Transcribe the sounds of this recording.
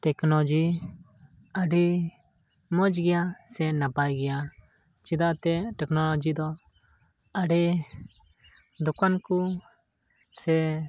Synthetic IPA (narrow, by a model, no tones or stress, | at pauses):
ʈɛknod͡ʒi | əɖi | mɔd͡ʒɡɪjasɛnapajɡɪja | t͡ʃɪd̪at̪ɛʈɛknolod͡ʒid̪ɔ | əɖe | d̪ʊkanku | sɛ